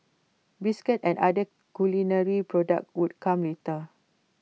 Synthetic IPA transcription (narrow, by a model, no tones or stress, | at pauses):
biskɛtɛ̃nadə | kulinəɹipɹɔda̰k̚wud̚kʰãmletə